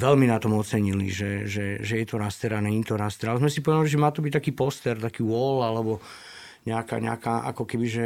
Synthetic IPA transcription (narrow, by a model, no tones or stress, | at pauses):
ʋɛlminat̪ɔmɔt̪t͡sɛɲilḭʒɛʒɛʒɛjɛt̪ɔɾast̪ɛɾanɛɲiːt̪ɔɾast̪ɛɾalzmɛsipɔʋɛd̪aliʒɛmaːt̪ɔbic̚t̪akiːpɔst̪ɛɾt̪akiːwɔlalɛbɔ | ɲɛaka̰ɲɛ̰a̰kaʔa̰kɔkɛbiʒɛ